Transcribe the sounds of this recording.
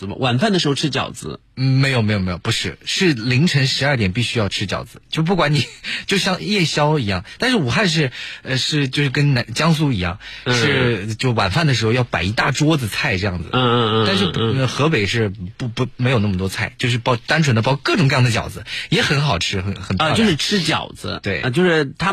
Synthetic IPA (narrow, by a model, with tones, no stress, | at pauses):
ə˨˩mə̰˧wa˨˩nfa˥˩nd̪ə˩ʂɻ̩˧˥xo˥˧ʊʈ͡ʂ̩ʰ˥t͡ɕjɑ̰˨˩ʊd͡zɹ̩̰˧˥˩ | me˧˥ɪjo˨˩ʊme˧˥ɪo˨˩me˧˥jo˨˩pu˧˥ʂɻ̩˥˩ʂɻ̩˥˩li˧˥ŋʈ͡ʂʰə˧˥nʂɻ̩˧˥ɐ˞˥˩t̪jɛ˨˩npi˥˩ɕy˥jɑ˥˩ʊʈ͡ʂʰɻ̩˥t͡ɕjɑ̰˨˩ʊd͡zɹ̩˧˦t͡ɕjo˥˧ʊp̬u˥˩kwa˧˥ni˨˩t͡ɕjo˥˧ʊɕjɑ˥˧ŋjɛ˥˩ɕjɑ˥ʊi˧˥jɑ̰˥˩ŋt̪a˥˧nʂ̬ɻ̩˥˩u˨˩xa˥˧nʂ̬ɻ̩˥˧ə˧ʂɻ̩˥˧t͡ɕjo˥˧ʊʂɻ̩˥˩kə˥nna˧˥t͡ɕjɑ˥ŋs̬u˥i˧˥jɑ̰˥˩ŋ | ʂɻ̩˥˩t͡ɕjo˥˩ʊwa̰˨˩nfa˥˩nd̪ə˩ʂ̬ɻ̩˧˥xo˧jɑ˥˩pa˨˩ɪi˧˥t̪a˥˩ʈ͡ʂwɔ˥d͡zɹ̩˨˧t͡sʰa˥˩ɪʈ͡ʂɤ˥˧jɑ˥˩ŋd͡zɹ̩̰˩˥˧a˥˧nʂ̬ɻ̩˥˩˧ə˧˩xɤ˧˥pe˨˩ɪʂɻ̩˥˩pu˥˩pu˧˥me˧˥ɪjo˨˩n˥˩ə˩t̪wɔ˥t͡sʰa˥˩ɪt͡ɕjo˥˧ʊʂɻ̩˥˩pɑ˧˥ʊt̪a˥nʈ͡ʂʰə˧˥nd̪ə˧pɑ˥ʊ˥˩kɤ˥˩ʈ͡ʂʊ˨ŋkɤ˧jɑ˥˩ŋd̪ə˧t͡ɕjɑ̰˨˩ʊd͡zɹ̩˧˦jɛ˧˥xə˧˥nxɑ˨˩ʊʈ͡ʂʰɻ̩˥xə˧˥nxə˨˩nt̪ːt͡ɕo˥˧ʊʂɻ̩˥˧ʈ͡ʂʰɻ̩˥t͡ɕjɑ̰˨˩ʊd͡z̩̰˦t̪we˥˩ɪ˧t͡ɕjo˥˧ʊʂɻ̩˥˩t̪ʰa˥